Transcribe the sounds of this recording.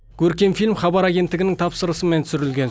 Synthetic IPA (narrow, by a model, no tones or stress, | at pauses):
kʲʰɵɾkʲe̞mfilʲmχɑbɑɾaɡʲe̞nt̪ːɪɡɪnɪŋt̪ʰɑpsəɾəsəmensʏɾɪlɡʲe̞n